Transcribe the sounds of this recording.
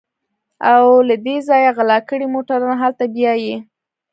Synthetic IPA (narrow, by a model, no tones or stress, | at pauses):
awlad̪ezɑjaɣalɑkəɽimoʈaɾɑnaɦalt̪abjɑje